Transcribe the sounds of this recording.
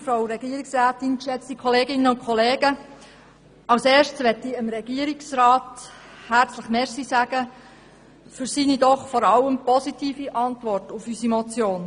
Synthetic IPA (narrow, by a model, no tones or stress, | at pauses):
fɾaʊɾɛɡiːəɾiksɾæːtɪnkʃɛt͡stikʰɔleːɡɪnəʊnkʰɔleːɡə | ɑwseːɾʃtsʋɛtiəmɾɛɡ̥iəɾiksɾɑːthæɾt͡sləχmɛːɾsisæɡ̥ə | fyɾsinidɔχfɔɾɑləmpɔsitiːfiʔɑntʋɔrtʊfysimɔt͡sjoːn